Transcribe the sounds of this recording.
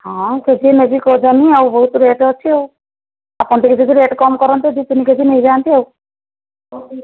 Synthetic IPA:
hɔ̃ked͡ʒʱiemebikɔd͡ʒaniawbɔɦut̪ɾeʈɔt͡ʃʰiew | apɔnt̪ʰiked͡ʒ̪id̪iɾeʈkɔmkɔɾɔnt̪id̪it̪iniked͡ʒʱinejd͡ʒaːnt̪iew

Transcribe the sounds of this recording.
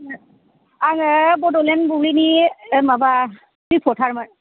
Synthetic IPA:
aŋbɔdɔlɛnbuɹinimaba | ipʰɔtʰaɹma

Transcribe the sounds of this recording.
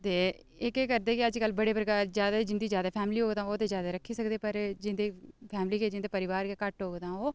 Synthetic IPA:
t̪eː | ɪkeːkəɾd̪eːkɪəd͡ʒkəlbəɽeːpɾəkaːɾzjaːd̪ad͡ʒɪnd̪iːzjaːd̪aːpʰɛːmliːoːɡd̪ãːoːt̪eːzjaːd̪aːɾəkʰːiːsəkd̪eːpəɾd͡ʒɪnd̪iːpʰɛːmliːkeːd͡ʒɪ̃nd̪eːpəɾɪʋaːɾkeːkəʈɦoːɡd̪ãːoː

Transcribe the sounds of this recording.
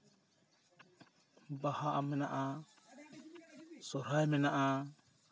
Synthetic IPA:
bahaʔamɛnaʔa | sɔɾajmɛnaʔa

